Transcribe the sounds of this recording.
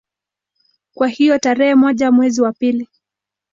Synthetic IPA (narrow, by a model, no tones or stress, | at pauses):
kwahijɔtaɾɛhɛmɔʄamwɛziwapili